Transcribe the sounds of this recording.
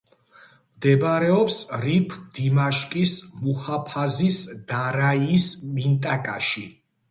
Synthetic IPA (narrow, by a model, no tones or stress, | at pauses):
md̪ɛbaɾɛɔpsɾipʰd̪̥imaʃkʼismuhapʰazisd̪̥aɾaismint̪ʼakʼaʃi